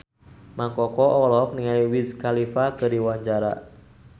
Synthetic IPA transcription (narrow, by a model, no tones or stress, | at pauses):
maŋkɔkɔʔɔlɔɔk̚niŋaiwizkalifakədiwaɲd͡ʒaɾa̰